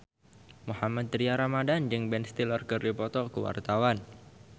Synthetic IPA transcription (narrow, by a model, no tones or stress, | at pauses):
muhamad̪̚ɾiaɾamadand͡ʒɨŋbɛnst̪ilɔrkɨrdipɔt̪ɔkəwa̰rt̪awan